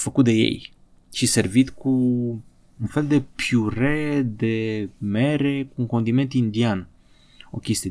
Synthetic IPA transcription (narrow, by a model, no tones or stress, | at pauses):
fəkut̪d̪ejḛj | t͡ʃiseɾvit̪ku | unfɛld̪epjuɾed̪emeɾekuuŋkond̪iment̪ind̪jan | okist̪e